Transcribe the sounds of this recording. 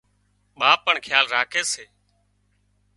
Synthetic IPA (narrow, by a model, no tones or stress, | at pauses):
ɓaːpəɳkʰjaːlɾaːkʰeːseː